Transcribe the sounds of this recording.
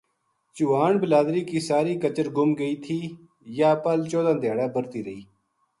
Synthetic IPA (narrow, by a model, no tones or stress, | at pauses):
t͡ʃuʋaːɳbəlaːd̪ɾiːkiːsaːɾiːkət͡ʃəɾɡʊmɡəiːt̪ʰiː | jaːpəlt͡ʃoːd̪ãːd̪jaːɽaːbəɾt̪iːɾəiː